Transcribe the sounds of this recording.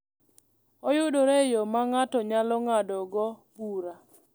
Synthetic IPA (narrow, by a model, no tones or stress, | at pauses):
ɔjʊdoɾejomaŋatɔɲalɔŋadɔɡɔbuɾa